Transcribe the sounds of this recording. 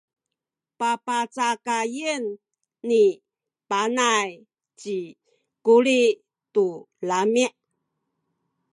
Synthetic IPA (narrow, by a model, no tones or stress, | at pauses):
papat͡sakajənː | i | panaj | t͡ɕi | kuɾi | tu | lamiʔ